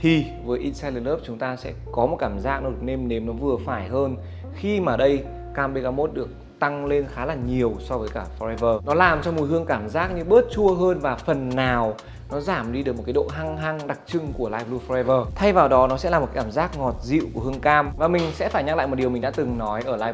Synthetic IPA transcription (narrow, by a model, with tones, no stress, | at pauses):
t̪ʰi˨˩ | vəː˨˦jʔi˧tsa˧jlə˧nləː˦˥p̚t͡ɕʊ˨˦ŋ͡mt̪aː˧sɛ̰˧˥kɔ˨˦mo˨˩t̚kaː˧˩mzaː˦˥k̚nɔ˨˦ɗɨ˨˩ə˩k̚ne˧mne˨˦mnɔ˨˦vɨ˨˩əfaː˧˩jɦəː˧n | xi˧maː˨˩ɗə˧j | kaː˧mɓe˧ɣa˧mo˦˥t̚ɗɨ˨˩ək̚ | t̪a˧ŋle˧nxaː˨˦laː˨˩ɲi˨˩əwsɔ˧vəː˨˦jkaː˧˩fɔ˧ɛ˧vəː˧nɔ˨˦laː˨˩mt͡ɕɔ˧m˨˩˦jhɨ˧əŋkaː˧˩mzaː˦˥k̚ɲɨ˧ɓə˦˥t̚t͡ɕu˧əɦəː˧nvaː˨˩fə˨˩nːaː˨˩w | nɔ˨˦zaː˧˩mɗi˧ɗɨ˨˩k̚m̚˨˩kːaː˨˦o̰˧˨ɦa˧ŋɦa˧ŋɗa˨˩k̚t͡ɕɨ˧ŋku˧˩əlaː˧jvlu˧fɔ˧ɛ˧vəː˧t̪ʰa˧jvaː˨˩wɗɔ˨˦nɔ˨˦sɛ̰˧˥laː˨˩˨kːkːaː˧˩mzaː˦˥k̚ŋɔ˨˩t̚zḭ˧˨wku˧˩əhɨ˧əŋkaː˧mvaː˨˩mï˨˩ŋ̟sɛ̰˧˥faː˧˩jɲa˧k̚l̰aː˧˨jmo˨˩t̚i˨˩əmi˨˩ŋ̟ɗa̰ː˧˥t̪ɨ˨˩ŋnɔ˨˦jʔəː˧˩laː˧